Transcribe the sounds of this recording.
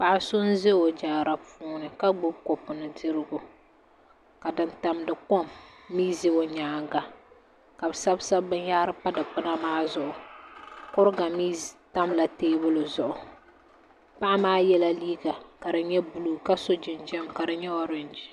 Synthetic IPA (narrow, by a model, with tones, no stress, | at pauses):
pa˨ʔa˦sʊ˦nze˦o˨d͡ʒaː˨ɾa˨fuː˦nɨ˨ka˦ɡ͡bʊ˦b̚ko˨pʊ˨nɨ˨dɨ˦ɾɨ˦ɡʊ˨ | ka˨dɨ˦nta˨mdɨ˨ko˦mːiː˦ze˦o˦ɲaː˨ŋɡa˨ | ka˨bɨ˨sa˦bsa˦bɨ̃˦ɲ˦jaː˦ɾɨ˦pa˦dɨ˨k͡pʊ˦na˦maː˦zʊ˨ʔʊ˨ | kʊ˦ɾɨ˦ɡa˨miː˦ta˦mla˨teː˦bʊ˦lʊ˨zʊ˨ʔʊ˨ | pa˦ʔa˦maː˦jɛ˦la˦liː˦ɡa˨ka˨dɨ˨ɲɛ˦bu˨lu˨ka˦so˦d͡ʒɪ˨nd͡ʒɛ˦mka˨dɨ˦ɲɛ˦ɔ˨ɾɨ˨nd͡ʒi˦